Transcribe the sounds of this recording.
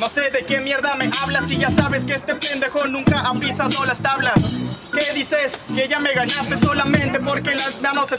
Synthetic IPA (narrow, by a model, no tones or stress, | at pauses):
no̞se̞ðekjenmjeɾðame̞ʔaβlasiʝasaβeskeest̪e̞pe̞nd̪eɣonũŋkaʔapɾisaðolast̪aβlaskeðiseskeeʝame̞ɣaɲast̪e̞so̞lamẽ̞nt̪e̞po̞ɾkelasmanose